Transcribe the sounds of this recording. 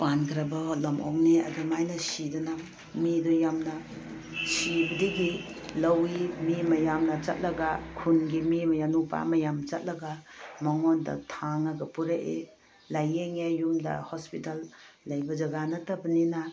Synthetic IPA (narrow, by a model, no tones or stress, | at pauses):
pankʰɾɐbɐhɔt̚lɐmo̰kneɐ̰dumajnɐsidɐnam | midɔjamnɐ | sibɐdiɡi | lɐwimimɐjamnɐt͡ʃɐ̰t̚lɐɡakʰunɡimimɐjanupa̰mɐjamt͡ʃɐt̚lɐɡamɐŋondɐ̰tʰaŋɐɡɐpuɾeʔe | lajeŋejumdɐ̰hospitalːɐjbɐd͡ʒɐɡanɐtɐbɐnina